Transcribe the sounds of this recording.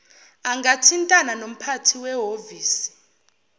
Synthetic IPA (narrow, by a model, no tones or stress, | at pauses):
aŋɡatʰintʼananom̩pʰatʰiwɛɦoviːsi̥